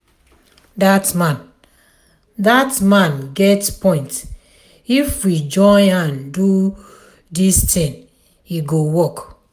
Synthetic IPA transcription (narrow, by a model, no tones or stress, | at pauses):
datmãn | datmãnɡɛtpɔ̃ɪ̃nt | ifwid͡ʒɔ̃ãndu | distĩn | iɡowɔk